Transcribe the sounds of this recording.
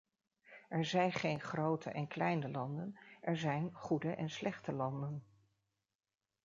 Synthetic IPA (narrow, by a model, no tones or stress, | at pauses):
ʔɛɹzɛjnχejnχrowtʰə̰ʔɛnklɛjnəlɑndənʔɛɹzɛjnχudəʔɛnslɛχtəlɑndən